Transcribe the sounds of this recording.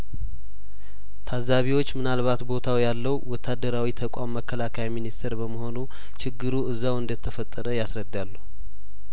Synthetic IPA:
t̪ʰazaβiwo̞t͡ʃːmɨnalβat̪bo̞t̪ʰawjalːəwwɔt̪ʰːad̪ːəɾawit̪ʰəkʼamːəkʰːəlakʰajminist̪ʰeɾbəməɦo̞nu | t͡ʃʰɪɡːɨɾuɨzːawɨnd̪ət̪ʰːəfət̪ʼːəɾəjasɾəd̪ːalːuhu

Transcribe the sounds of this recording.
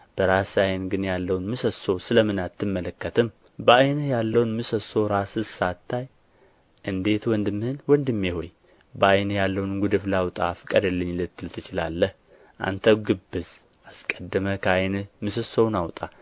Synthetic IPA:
b̥əɾasajnɡɨnjalːəwnmɨsəso̞sɨləmɨnat̪ʰːɨmːələkːət̪ʰɨm | bəajnɨhjalːəwnmɨsəso̞ɾasɨsat̪ʰːaj | ʔɨnd̪e̞t̪wɔnd̪ɨmːɨhɨnwɔnd̪ɨmːiho̞̰j | bəajnɨhjalːəwnɡʷud̪ɨflawt̪ʼa̰fɨkʼəd̪əlːɨɲːlɨt̪ʰːɨlt̪ʰɨt͡ʃɪla̰lːəh | ʔa̰nt̪ʰəɡɨbːɨz | askʼəd̪ːəməkʰəajnɨhmɨsəsownawt̪ʼa

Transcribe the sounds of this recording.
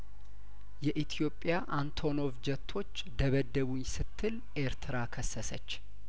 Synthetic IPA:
jɛʔit̪ʰijo̞pʼːjaʔant̪ʰo̞no̞vd͡ʒɛt̪ʰːo̞t͡ʃːd̪əβəd̪ːəβujsɨt̪ʰːɨl | ʔe̞ɾt̪ʰɨɾakʰəsːəsət͡ʃː

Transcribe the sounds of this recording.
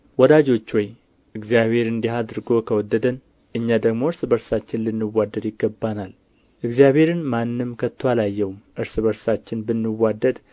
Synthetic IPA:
wɔd̪ad͡ʒo̞t͡ʃːwɔj | ʔɨɡzjaβhe̞ɾɨnd̪iɦad̪ɨɾɡo̞kʰəwɔd̪ːəd̪ən | ʔɨɲːad̪əɡmo̞ɨɾsbəɾsat͡ʃːɪnlɨnːɨwad̪ːəd̪jɪɡːəbːanal | ʔɨɡzijabhe̞ɾɨnmanːɨmkʰət̪ʰːoalajːɛwumʔɨɾsɨbəɾsat͡ʃːɪnbɨnːɨwad̪ːəd̪

